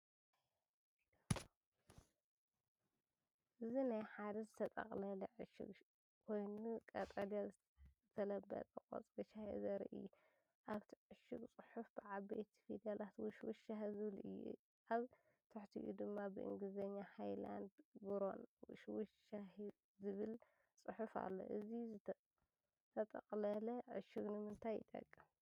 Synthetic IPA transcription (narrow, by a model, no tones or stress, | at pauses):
ʔɨzinajħad̪ɐzɨt̪ʰɐt̪ʼɐ̰χʼlɐliʕɨʃɪ̰ɡ | kʰo̞jnukʼɐt̪ʼɐd̪ija | t̪ʰɐlɐbːɐ̰t̪ʼɐkʼo̰t͡sʼbɐʃahizɐɾḭʔɨ̰jːu | ʔaβt̪ʰiʕɨʃɨɡt͡sʼɨħufb̥ɨʕabejt̪ʰi̥fid̪ɐlat̪wʊʃwuʃahzɨβlʔɨ̰jːṵ | ʔaβ | t̪ʰɐħt̪ʰḭʔud̪ɨmːabɨʔɨ̰ŋɡlɨzɐɲːahajla̰nd̪ɡuɾo̞̰nwɨ̰ʃwɨʃah | zɨβɨl | sʼɨħufa̰lːo̞̰ʔɨziz | t̪ʰɐt̪ʼɐkʼlɐlɐʕʊʃɪɣnɨmɨnt̪ʰaj̰t̪ʼɐ̰kʼːɨm